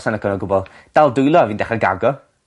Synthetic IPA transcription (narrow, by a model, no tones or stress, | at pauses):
sanəkʰɔnɔɡʊbɔlˠ | d̥alˠdʊjlˠɔaviːndɛχəɡa̰ɡɔ